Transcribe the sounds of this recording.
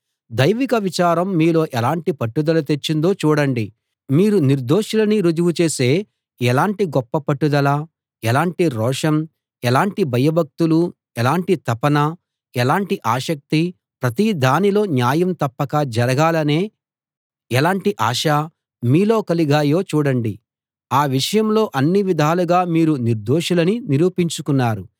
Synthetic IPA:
d̪ɐjʋikɐʋit͡ʃaːɾɐmːiːlo̞ːʔɛlaːɳʈipɐʈːud̪ɐlɐt̪et͡ʃːind̪o̞ːt͡ʃuːɽɐɳɖi | miːɾuniɾd̪o̞ːʂulɐniɾud͡ʒuʋut͡ʃe̞ːse̞ː | ɛlaːɳʈiɡɔpːɐpɐʈːud̪ɐlɐ | ɛlaːɳʈiɾɔːʂɐm | ɛlaːɳʈibʱɐjɐbʱɐk̚t̪ulu | ɛlaːɳʈit̪ɐpɐnɐ | ɛlaːɳʈiʔaːʃɐk̚t̪i | pɾɐt̪id̪ʱaːnilo̞ːnjaːjɐmt̪ɐpːɐkɐd͡ʒɐɾɐɡaːlɐne̞ː | ɛlaːɳʈiʔaːʂaː | miːlo̞ːkɐliɡaːjo̞ːt͡ʃuːɽɐɳɖi | aːʋiʂɐjɐmlo̞ːʔɐnːiʋid̪ʱaːluɡaːmiːɾuniɾd̪oːʂulɐniniɾuːpiɲt͡ʃukunːaːɾu

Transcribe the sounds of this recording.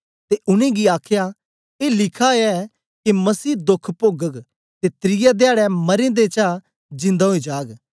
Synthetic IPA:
t̪eʔʊnẽɡiaːkʰja | eːlɪkʰaɛ | kimɐsiːd̪ʊkʰpoːɡək | t̪et̪ɾɪjad̪jaːɽɛmɐɾẽd̪eːt͡ʃa | d͡ʒɪ̃nd̪aɦoid͡ʒaːɡ

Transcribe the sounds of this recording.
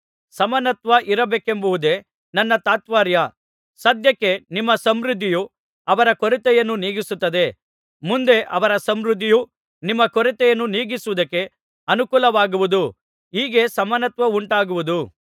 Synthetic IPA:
sɐmɐnɐt̪ʋɐʔiɾɐbeːke̞mbɐʋud̪e̞ | nɐnːɐt̪aːt̪ʋaːɾjɐ | sɐd̪jɐkːe̞nimːɐsɐmɾud̪ʱːiju | ɐʋɐɾɐkoɾit̪ɛjɐnːuniːɡisut̪ːɐd̪e̞ | mund̪e̞ʔɐʋɐɾɐsɐmɾud̪ʱːiju | nimːɐkoɾit̪ɛjɐnːuniːɡisuʋud̪ɐkːe̞ | ɐnukuːlɐʋaːɡuʋud̪u | iːɡe̞sɐmɐnɐt̪ʋɐuɳʈaːɡuʋud̪u

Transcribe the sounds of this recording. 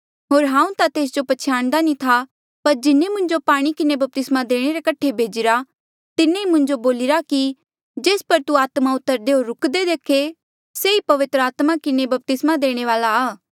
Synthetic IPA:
ɦoːɾɦãːũt̪at̪eːs̬d͡ʒopɐt͡ʃʰjaːɽ̃d̪anĩt̪ʰa | pɐɾd͡ʒɪnemʊ̃ɲd͡ʒopaːɽ̃ikɪnebɐp̚t̪ɪsmad̪eːɽ̃eɾekɐʈʰːebʱeːd͡ʒɪɾa | t̪ɪneimʊ̃ɲd͡ʒoboːlɪɾaki | d͡ʒeːspɐɾt̪uaːt̪maʊt̪ːəɾd̪eɦoːɾʊkd̪ed̪eːkʰe | seipɐʋɪt̪ɾəaːt̪makɪnebɐp̚t̪ɪsmad̪eːɽ̃eʋaːlaaː

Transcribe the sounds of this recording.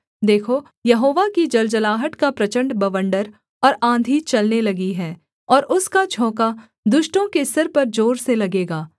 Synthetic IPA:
d̪eːkʰo | jɐɦoːʋakid͡ʒɐld͡ʒɐlaːɦəʈkapɾɐt͡ʃə̃ɳɖbɐʋə̃ɳɖəɾ | ɔːɾãːnd̪ʱit͡ʃɐlnelɐɡiɦɛː | ɔːɾʔʊskat͡ʃʰɔ̃ːka | d̪ʊʃʈõkesɐɾpɐɾd͡ʒoːɾselɐɡeːɡaː

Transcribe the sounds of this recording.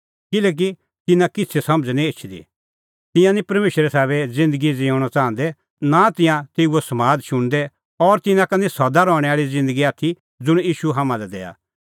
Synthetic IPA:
kɪlɛːk̬i | t̪ɪnãkɪtt͡sʰesɐməd͡znĩet͡ʃʰd̪ḭ | t̪ɪ̃jãnĩpɐɾmeːʃɾɛsɛːβɛd͡zɪ̃nd̪əɡid͡zɪãʊɽ̃at͡sãːnd̪ɛ | nat̪ɪ̃jãt̪eːuosɐmaːd̪ʃʊɽ̃d̪ɛ | ɔːɾt̪ɪnãkɐnĩsɐd̪aɾɔːɽ̃ɛaːɭid͡zɪ̃nd̪əɡiaːt̪ʰi | d͡zʊɽ̃jiːʃuɦamãlɛd̪ɛ̰ːa̰

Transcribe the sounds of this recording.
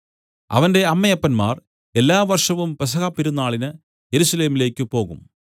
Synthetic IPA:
ɐ̰ʋɐnde̞ɐmːɐjɐpːɐnma̰ːr | e̞lːaːʋɐrʂɐʋumpɐs̬ɐɣaːpːiɾunːaːɭinɨ | je̞ɾusɐle̞ːmile̞ːkʲːɨpo̞ːɣum

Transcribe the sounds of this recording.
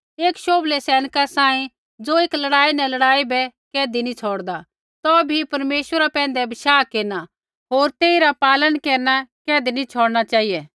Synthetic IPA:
eːkʃoːblesɛːnkasaːĩ | d͡zoɪklɐɽaːinɛ̃lɐɽaːibɛkɛːd̪inĩt͡sʰoːɽd̪a | t̪ɔbʱipɐɾmeːʃwəɾapɛ̃ːn̆d̪ɛbʱɪʃaːkeːɾna | ɦoːɾt̪eːiɾapaːlənkeːɾnakɛːd̪inĩt͡ʃʰoːɽnat͡ʃaːijɛ

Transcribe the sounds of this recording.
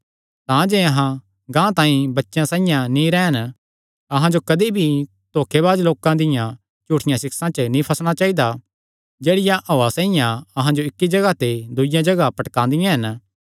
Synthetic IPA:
t̪ãd͡ʒeɐɦã | ɡãːt̪ãːĩbɐtːʃãsãːijãnĩɾɛːən | ɐɦãd͡ʒokɐd̪ibʱi | t̪oːkʰeβaːd͡ʒloːkãd̪ɪjã | t͡ʃuːʈʰɪjãsɪksãt͡ʃənĩpʰɐsɽ̃at͡ʃaːɦid̪a | d͡ʒeːɽɪjãʔoːasãːɪjãɐɦãd͡ʒoɪkːid͡ʒɐɡat̪ed̪ʊɪjãd͡ʒɐɡapɐʈkãːnd̪ɪjãɦɐn

